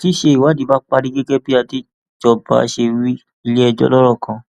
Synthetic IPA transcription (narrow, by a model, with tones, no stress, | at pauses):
ti˦ʃe˧i˨wa˨˦˨di˨˦ba˦k͡pa˧ɾi˦ɡe˦ɡɛ˦bi˦a˧ti˦˨ | d͡ʒɔ˧ba̰˦˧a˧ʃe˧ɾi˦ | i˧le˦ɛ˧d͡ʒɔ̰˧˦lɔ˦ɾɔ˦˨kʰã˧